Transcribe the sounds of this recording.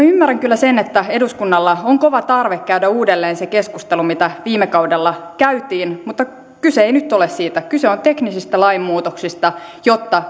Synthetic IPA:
ymːæræŋkylːæsenet̪ːæeduskunːɑlːɑoŋkoʋɑt̪ɑrʋekkæydæuːdelːeːnsekeskust̪elumit̪æʋiːmekɑudelːɑkæyt̪iːnmut̪ːɑ | kyseeinyt̪ːolessiːt̪ækyseont̪e̞knisist̪ælɑimːmuːt̪oksist̪ɑjot̪ːɑ

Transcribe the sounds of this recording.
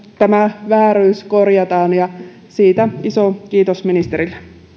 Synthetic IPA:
t̪æmæʋæːɾyːskorjɑt̪ɑːnjɑ | siːt̪æisokiːt̪osminist̪eɾilːe

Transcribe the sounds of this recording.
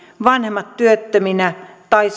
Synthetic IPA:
ʋɑnhemːɑt̪tyøt̪ːøminæt̪ɑis

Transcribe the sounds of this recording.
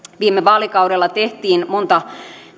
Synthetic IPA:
ʋiːmeʋɑːlikɑuɾelːɑt̪eht̪iːnmont̪ɑ

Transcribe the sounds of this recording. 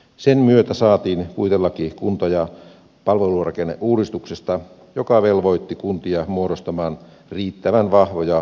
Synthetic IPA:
senmyøt̪æsɑːt̪iːnkuit̪elːɑkikunt̪ɑjɑ | pɑlʋelurɑkenːḛʔʔuːdist̪uksest̪ɑ | jokɑʋelʋoit̪ːikunt̪iɑmuoɾost̪ɑmɑːn | riːt̪ːæʋænʋɑhʋojɑ

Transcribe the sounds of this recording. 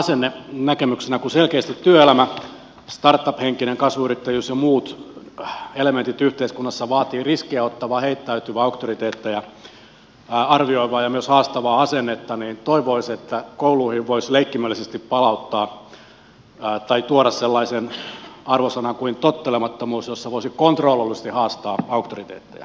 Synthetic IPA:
senːenækemyksenækuselkeːst̪it̪tyøelæmæ | st̪ɑrt̪ːɑpheŋkineŋkɑsʋuyrit̪ːæjysjomuːt̪ | element̪it̪yht̪eiskunːɑsːɑʋɑːt̪iːriskiæot̪ːɑʋɑːheit̪ːæyt̪yʋæɑukt̪orit̪eːt̪ːæjɑ | ɑrʋioiʋɑːjɑmyøshɑːst̪ɑʋɑːɑsenːet̪ːɑniːnt̪oiʋoiset̪ːækouluːhiʋʋoisleikːimølːisest̪ippɑlɑut̪ːɑː | t̪ɑit̪uoɾɑsselːɑisenɑrʋosɑnɑŋkuint̪ot̪ːelemɑt̪ːomuːsjosːɑʋoisikont̪roːlːolːisest̪ihɑːst̪ɑːɑukt̪orit̪ḛːt̪ːḛjæ̰

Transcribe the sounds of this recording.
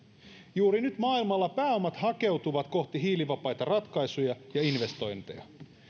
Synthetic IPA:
juːɾinyt̪mɑːilmɑlːɑpæːo̞mɑt̪hɑke̞wt̪uʋɑt̪ko̞ht̪iɦiːliʋɑpɑjt̪ɑrɑt̪kɑjsujɑjɑinʋe̞st̪o̞jnt̪ḛjɑ̰

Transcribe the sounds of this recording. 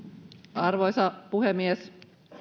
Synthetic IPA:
ʔɑrʋojsɑpuhemːies

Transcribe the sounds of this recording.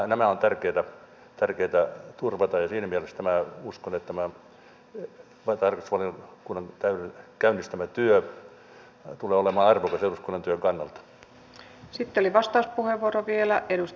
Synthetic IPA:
næmæont̪ærkeːt̪æ | t̪ærkeit̪æt̪urʋɑt̪ɑjɑsiːnæmiælest̪æmæuskonet̪ːæmæ | ʋɑt̪ɑrkɑst̪usʋɑliokunːɑŋt̪æyekæynːist̪æmæt̪yø | t̪uleːolemɑːɑrʋokɑseluskonːɑnt̪yøŋkɑnːɑlt̪ɑ̥ | sit̪ːeoliʋɑst̪ɑuspuheʋːuoɾoʋielæʔeɾus

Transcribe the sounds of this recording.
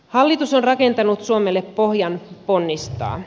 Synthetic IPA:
hɑlːit̪usonrɑke̞nt̪ɑnut̪suomelːeppo̞hjɑnpo̞nːist̪ɑ̰ː

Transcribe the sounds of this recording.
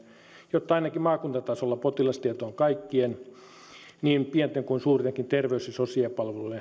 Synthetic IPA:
jot̪ːɑinɑkimɑːkunt̪ɑt̪ɑsolːɑpot̪ilɑst̪iæt̪oːŋkɑikːien | niːmpiɛnt̪eŋkuinsuːrt̪eŋkint̪erʋeysisosiɑpɑlʋelule

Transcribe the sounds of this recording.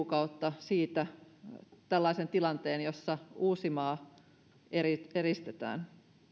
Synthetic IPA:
kɑut̪ːɑsiːt̪æ | t̪ælːɑisent̪ilɑnt̪eːnjosːɑuːsimɑː | erieɾist̪et̪æ̰ːn

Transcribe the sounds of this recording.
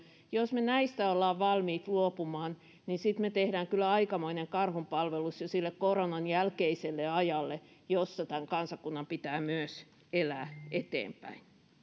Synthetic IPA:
josmenæist̪æolːɑːʋʋɑlmiːt̪luopumɑːn | ninsit̪met̪ehɾæːŋkylːˑæɑikɑmoineŋkɑrhumpɑlʋelusjosilːekkoronɑnjælkeiselːeɑjɑlːejosːɑt̪æŋkɑnsɑkunːɑmpit̪æːmyøs | elæːʔet̪ḛːmpæ̰in

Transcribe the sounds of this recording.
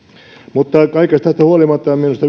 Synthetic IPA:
mut̪ːɑkɑikest̪ɑst̪æhuolimɑt̪ːɑɑmminust̪ɑ

